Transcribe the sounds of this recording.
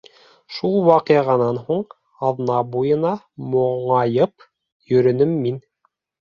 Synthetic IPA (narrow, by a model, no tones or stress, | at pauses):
ʃulˠwɑqiʁɑnɑnhuɴ | ɑðnɑbujɤ̆nɑ | moɴɑjɤp | jɵ̆ɾɵ̆nɘmːin